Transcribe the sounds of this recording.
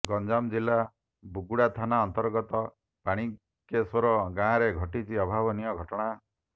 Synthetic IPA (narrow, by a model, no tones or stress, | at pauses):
ɡɔnd͡ʒamd͡ʒilːa | buɡuɽat̪ʰanaɔnt̪ɔɾɡɔt̪ɔ | paɽ̃i | kesɔɾɔɡãːɾeɡʱɔʈit͡ʃʰiɔbʱabɔnijɔɡʱɔʈɔɽ̃a